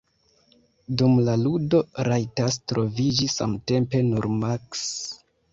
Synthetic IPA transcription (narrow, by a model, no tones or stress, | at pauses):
dumlaludo̞ɾajtas̬tɾo̞vid͡ʒisa̰mte̞mpe̞nuɾmaks